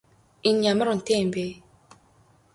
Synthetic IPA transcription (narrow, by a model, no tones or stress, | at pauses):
iɲaməɾun̩tembe